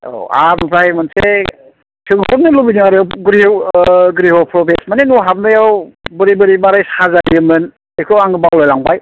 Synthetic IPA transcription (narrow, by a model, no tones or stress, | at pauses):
o̰a̰mɯpʰɾajmɯnse | tʰɯŋhɔp̚nɯlubiniaɾawɡɾi | ɡɾihɔpʰɾɔbesmanenuɦap̚nɯjawbɯɾibɯɾibaɾajsazaɾɯmɯn | ekʰɯwaŋɡɯbawlajlaŋbaj